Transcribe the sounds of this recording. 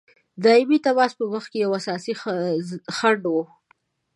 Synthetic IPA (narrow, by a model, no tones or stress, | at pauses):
d̪ɑimit̪abɑspəwaxt̪̚kejawasɑsi | xaɳɖwu